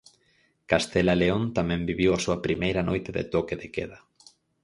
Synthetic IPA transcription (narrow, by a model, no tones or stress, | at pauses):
kast̪elaleõnt̪amɛ̃mbiβiwasuɐpɾimejɾɐnojt̪eðɪ̰t̪okeðekeðɐ